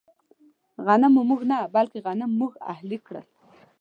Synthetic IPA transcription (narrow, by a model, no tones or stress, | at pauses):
ɣanəmumuɣnabalkeɣanəmːuɣa̰hlikɽə̰l